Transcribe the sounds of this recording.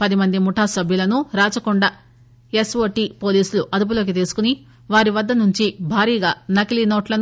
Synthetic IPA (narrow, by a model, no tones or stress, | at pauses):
pɐd̪imɐnd̪imuʈʰaːsɐbʱjulɐnuɾaːt͡ʃɐkuɳɖɐ | e̞soːʈiːpo̞ːliːsuluʔɐd̪up̬ulo̞ːk̬it̪̬iːsu̥kuni | ʋaːɾiʋɐd̪ːɐnuɲt͡ʃibʱaːɾiːɡaːnɐkilino̞ːʈlɐn